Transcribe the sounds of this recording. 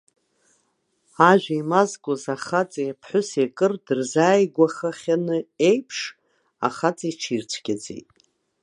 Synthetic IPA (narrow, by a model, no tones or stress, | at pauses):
aʒᶣʷaimazkʷʼozaχat͡sʼajapʰħʷʊsekʼɨrdɨrzaːjɡʷaχaχʲanɨe̞jpʰʂ | a̰χat͡sʼiʈ͡ʂʰirt͡ɕʷʰɡʲad͡zḛjtʼ